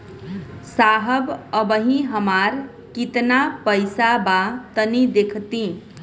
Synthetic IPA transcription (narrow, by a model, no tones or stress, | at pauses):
saɦəbəbəɦĩɦəmaɾ | kit̪napəjsabat̪ənid̪ekʰt̪i